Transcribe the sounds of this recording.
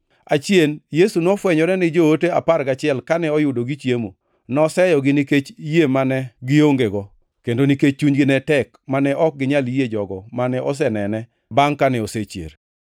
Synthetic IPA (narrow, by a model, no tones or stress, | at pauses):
at͡ʃjenjesunɔfwɛɲɔɾɛnɪd͡ʒootea̰paɾɡat͡ʃɪɛlkanɛɔjʊdoɡɪt͡ʃjemo̰ | nɔsɛjɔɡɪniket͡ʃjemanɛɡɪoŋɡeɡɔ | kendoniket͡ʃ̚t͡ʃːuɲɡɪnɛtɛk | manɛʔɔk̚ɡɪɲaljed͡ʒɔɡɔmanɛʔɔs̬ɛnɛnɛ | baŋkanɛɔset͡ʃjḛɾ